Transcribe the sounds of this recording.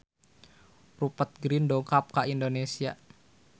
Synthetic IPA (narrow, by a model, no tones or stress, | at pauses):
rupət̪̚ɡɾindɔŋkap̚kaindonesia